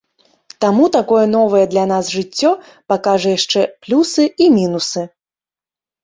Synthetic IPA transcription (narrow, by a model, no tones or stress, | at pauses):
t̪amut̪akɔjɛnɔvɐjɛd̪lʲan̪azʐɨt͡sʲːɔ | pakaʐɐjaʂt͡ʂɛplʲusɨimʲinusɨ